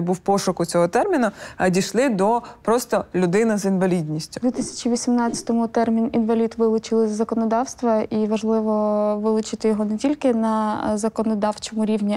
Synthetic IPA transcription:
buwpɔʃʊkʊt͡sʲɔɦɔt̪ɛrmʲinʊɐdʲiʃlˠɪd̪ɔpɾɔst̪ɔlʲʊd̪ɪnɐzinʋɐlʲid̪ʲnʲisʲtʲʊ̥d̪ʋʲit̪ɪsʲɐ̥t͡ʃiʋʲisʲimnɑt͡sʲɐ̥t̪ɔmʊt̪ɛrmʲininʋɐlʲit̪ʋɪlˠʊt͡ʃɪlˠɪzzɐkɔnɔd̪ɑwst̪ʋɐiʋɐʒlˠɪʋɔʋɪlˠʊt͡ʃɪt̪ɪjɔɦɔnɛtʲilʲkɪnɐzɐkɔnɔd̪ɑwt͡ʃɔmʊɾʲiwnʲi

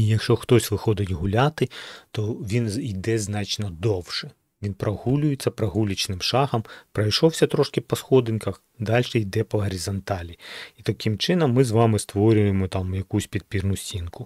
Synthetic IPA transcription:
ijɐkʃt͡ʃɔxt̪ɔsʲʋɪxɔd̪ɪtʲɦʊlʲat̪ɪt̪ɔʋʲinid̪ɛznɑt͡ʃnɔd̪ɔwʃɛ | ʋʲinpɾʔɐhulʲʊjet͡sʲːɐpɾɐɦulʲit͡ʃnɪmʃɑhɐmpɾɐjʃɔwsʲɐt̪ɾɔʃkɪpɔsxɔd̪ɪnʲkɐx | d̪ɑlʲʃɛijd̪ɛpɐɦɐɾʲizɐnt̪ɑlʲiit̪ɐkɪmt͡ʃɪnɔmːɪzʋɑmɪst̪ʋɔɾʲʊjemɔt̪ɑmjɐkusʲpʲid̪̚pʲirnʊsʲtʲinkʊ

